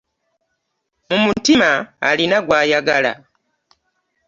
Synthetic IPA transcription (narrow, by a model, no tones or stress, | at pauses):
mumutima̰ːlinaɡwaːjaɡala̰